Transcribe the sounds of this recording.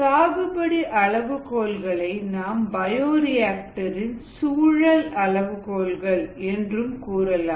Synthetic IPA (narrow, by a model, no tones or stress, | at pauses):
saːʋɯbɐɽiʔɐɭɐʋɯkoːlɣɐɭɐɪnaːmbɐjoːɾɪjaːk̚ʈɐɾɪnsuːɻɐlɐɭɐʋɯkoːlɣɐɭɛndrɯmkuːrɐlaː